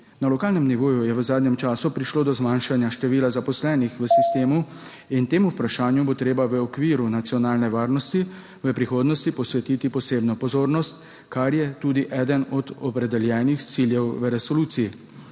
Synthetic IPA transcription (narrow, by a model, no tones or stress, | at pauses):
nalɔkaːlnɛmniʋoːjujɛʋəzaːd̪ɲɛmt͡ʃaːsupɾiʃloːd̪ɔzmaːnʃanjaʃt̪ɛʋiːlazapɔslɛːnixʋəsist̪eːmu | int̪eːmuːpɾaʃaːnjubot̪ɾeːbaʋəɔkʋiːɾunat̪sijɔnaːlnɛʋaːɾnɔst̪i | ʋəpɾixoːd̪nɔst̪ipɔsʋɛt̪iːt̪ipɔseːbnɔpɔzoːɾnɔst̪ | kaɾjɛt̪uːd̪iʔɛːd̪ənɔd̪ɔpɾɛd̪ɛljɛːnixt̪siljɛwʋəɾɛsɔluːt̪sii